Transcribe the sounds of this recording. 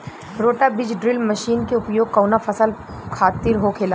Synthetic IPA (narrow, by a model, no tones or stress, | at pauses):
ɾoːʈabɪd͡ʒɖɾɪlmɐʃiːnkeʊpjoːɡ̚kɐwnafʰɐsəl | kʰaːt̪iɾɦokʰeːlaː